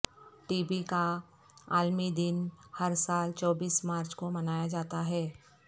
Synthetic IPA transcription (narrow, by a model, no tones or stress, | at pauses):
ʈiːbika | aːlmid̪ɪnhɐɾsaːlt͡ʃɔːbiːsmaːɾt͡ʃkomɐnaːjad͡ʒaːt̪aɦɛː